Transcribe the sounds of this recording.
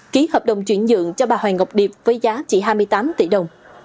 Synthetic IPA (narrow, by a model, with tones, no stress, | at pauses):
ki˨˦həː˨˩p̚ɗə˨˩wŋ͡mt͡ɕwi˧˩ənzɨ̰˧˨əŋt͡ɕɔ˧ɓaː˨˩hwɛː˨˩ŋə˨˩wk͡p̚ɗi˨˩əp̚vəː˨˦jzaː˨˦t͡ɕḭ˧˩ɦaː˧jmɨ˧əjt̪aː˨˦mt̪ḭ˧˩ɗə˨˩wŋ͡m